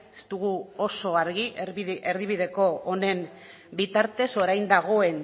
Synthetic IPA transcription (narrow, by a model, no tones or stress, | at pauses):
est̪uɣ̞uoso̞aɾɣieɾðiβ̞iðe̞ko̞ːne̞m | bit̪aɾt̪e̞so̞ɾajnd̪aɣo̞e̞n